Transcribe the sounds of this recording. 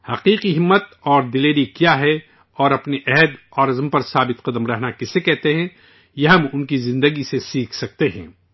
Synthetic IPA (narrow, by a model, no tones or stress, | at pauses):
hɐqiːqiɦɪmːət̪ɔːɾd̪ɪleːɾikjaɦɛ | ɔːɾɐpneʔɛɦɛd̪ɔːɾɐzəmpɐɾsaːbɪt̪qɐd̪əmɾɛɦnakɪsekɛɦt̪eɦɛ̃ː | jeɦɐmʊnkizɪ̃nd̪əɡisesiːkʰsɐk̚t̪eɦɛ̰̃ː